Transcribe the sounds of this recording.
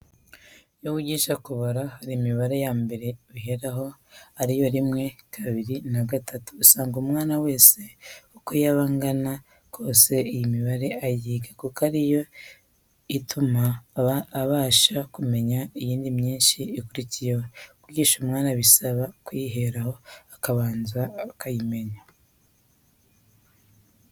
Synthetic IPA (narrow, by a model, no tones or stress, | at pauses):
joβuɟiːʃakuβoɾahaɾiːmiβaɾe̞jaːmbe̞ɾe̞βiɦe̞ɾaɦo̞ | haɾijo̞ɾimŋe̞kʰaβiɾinaɡatʰatu̥saːŋɡumŋaːnawe̞ːse̞ukojaβaːŋɡana | kʰo̞ːse̞ijimiβaɾe̞ajiːɡḁkukaɾijo̞ | itʰumaː | βaːʃakume̞ɲaijiːndimɲiːnʃiːkuɾicijehokuɾɟiːʃumŋaːnaβisaβakwiɦe̞ɾaho̞akaβaːnzaːkʰajime̞ɲa